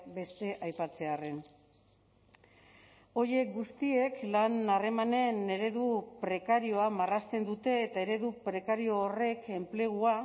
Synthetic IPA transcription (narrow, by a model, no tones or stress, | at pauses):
be̞st̪e̞ʔajpat͡se̞are̞n | o̞ɾje̞k̚ɡust̪ie̞klanare̞mane̞ne̞ɾe̞ðupɾe̞kaɾio̞amarast̪e̞nd̪ut̪e̞ːt̪ae̞ɾe̞ðupɾe̞kaɾio̞ːre̞ke̞mple̞ɣ̞ua